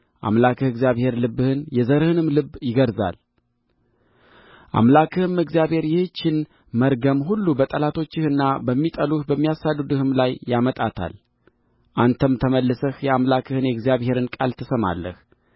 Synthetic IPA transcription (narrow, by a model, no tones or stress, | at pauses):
ʔa̰mlakʰɨhɨɡzijaβhe̞ɾlɨbːɨhɨnjɛzəɾhɨnɨmlɨbːjɪɡəɾza̰l | ʔa̰mlakʰɨhɨmɨɡzijaβhe̞ɾjɪht͡ʃːɪn | məɾɡəmɦulːubət̪ʼəlat̪ʰo̞t͡ʃːɪhɨnːabəmːit̪ʼəluhbəmːijasad̪ɨd̪ɨhɨmlajːamət̪ʼat̪ʰa̰l | ʔant̪ʰəmt̪ʰəməlːɨsəhjɛamlakʰɨhɨnjɛɡzjaβhe̞ɾɨnkʼalt̪ʰəsəma̰lːə̰h